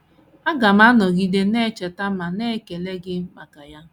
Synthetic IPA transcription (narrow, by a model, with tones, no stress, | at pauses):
a˦ɡa˨m˦a˦nɔ˨ɡi˦de˦ne˦˨t͡ʃe˨ta˦ma˨ne˦˨ke˨le˦ɡɪ˦m̩˦k͡pa˨ka˨ja˦